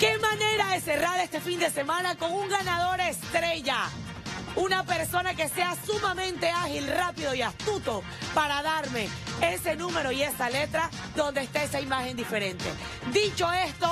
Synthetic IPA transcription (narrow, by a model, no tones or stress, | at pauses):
ke̞mane̞ɾaðe̞se̞raɾest̪e̞find̪e̞se̞mãnako̞ŋuŋɡanað̞o̞ɾest̪ɾe̞ʝa | unape̞ɾso̞nake̞se̞asumamẽnt̪e̞axilrapiðo̞iast̪ut̪o̞ | paɾaðaɾme̞ese̞nũme̞ɾo̞ie̞sale̞t̪ɾa | ðo̞nd̪eːst̪aesaimaxe̞nd̪ife̞ɾe̞nt̪e̞̰ | d̪it͡ʃo̞e̞st̪o